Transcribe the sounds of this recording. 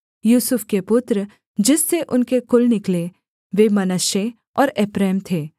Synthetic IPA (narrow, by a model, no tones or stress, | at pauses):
juːsʊfʰkepʊt̪ɾə | d͡ʒɪsːeʔʊnkekʊlnɪkle | ʋemɐnəʃe | ɔːɾeːpɾɛːmt̪ʰeː